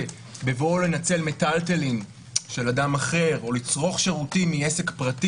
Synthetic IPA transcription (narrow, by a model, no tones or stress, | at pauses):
bevo̞le̞nat͡se̞lmetaltelin | ʃe̞ladamaχe̞ʁo̞lit͡sʁo̞χʃe̞ʁutimiese̞kpʁati